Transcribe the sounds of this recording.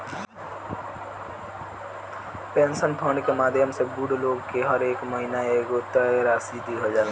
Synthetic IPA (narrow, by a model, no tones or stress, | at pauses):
pensənpʰəɳɖkemad̪ʱjəmsebuɽloɡkeɦəɾekməɦinaeɡot̪əɾasid̪ʱiɦod͡ʒa